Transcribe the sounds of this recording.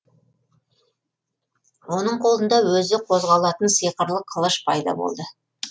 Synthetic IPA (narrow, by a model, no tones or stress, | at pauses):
wo̞nəɴqʰo̞lˠənd̪ɑwɵzɪqʰo̞zʁɑlˠɑt̪ənsijqəɾlˠəqʰəlˠəʃpʰɑjd̪ɑ̰bo̰lˠd̪ə